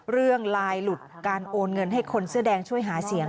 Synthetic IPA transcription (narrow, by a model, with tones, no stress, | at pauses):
ɾɯ˥˩əŋlaː˧jlu˨˩t̪̚kaː˧nʔoː˧nŋɤ˧nɦa˥˩jkʰo˧nsɯ˥˩ɐdɛː˧ŋt͡ɕʰu˥˩əjɦaː˩˦si˨˩˦əŋ